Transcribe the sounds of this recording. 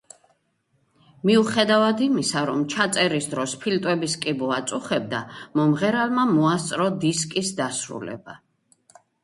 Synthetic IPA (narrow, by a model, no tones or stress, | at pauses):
miuχɛd̪avad̪imisaɾɔmt͡ʃʰat̪sʼɛɾisd̪ɾɔspʰilt̪ʼwɛbiskʼibuat̪sʼuχɛb̚d̪amɔmʁɛɾalˠmamɔast̪sʼɾɔd̪iskʼisd̪asɾṵlɛ̰ba